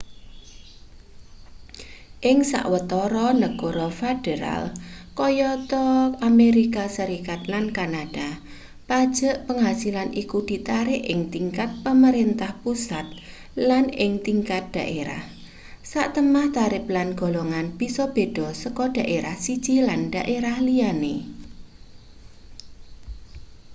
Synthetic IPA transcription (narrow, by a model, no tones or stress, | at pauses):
ʔɪŋsa̰ʔwət̪ɔɾɔnəɡ̥ɔɾɔfed̥eɾa̰lkɔjɔt̪ɔameɾikasəɾikat̪lankanad̥a | pad̥ʒ̥ə̤ʔpəŋɦasilanʔikud̪̥i̤t̪aɾɪʔɪŋt̪iŋkat̪̚pəməɾent̪ahpusat̪̚ | lanɪŋt̪iŋkat̪̚d̪̥a̤ʔeɾa̰h | saʔt̪əmaht̪aɾɪp̚lanɡ̥o̤loŋanb̥isɔb̥e̤d̥ɔ̤səkɔɖ̥a̤ʔeɾahsid̥ʒ̥ilanɖ̥a̤ʔeɾahlijane